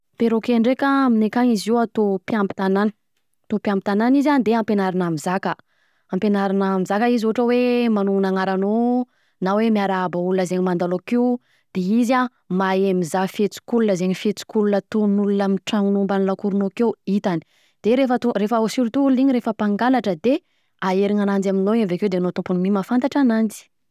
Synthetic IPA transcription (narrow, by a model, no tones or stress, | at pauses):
peɾokeɳɖ͡ʐekaminekaɲiziwat̪opjampi̥t̪anan̥ | at̪opjampit̪ananizand̪eampenaɾinamizakə | ampenaɾinamizakəizuʈ͡ʂəwemanuŋunaŋaɾano | nawemiaɾabaulunəzeɲimand̪alokiw | d̪̥eiza | maemizafet͡si̥kulunəzeɲifet͡si̥kulunət̪unulunəmiʈ͡ʂaŋnumbanilakuɾunokewit̪ani̥ | d̪̥eɾefət̪urefaosiɾut̪uuluiɲiɾefəpaŋɡalaʈ͡ʂəd̪e | aeɾiŋanand͡zaminoevekewd̪enot̪ũmpunimimafant̪aʈ͡ʂanand͡zi̥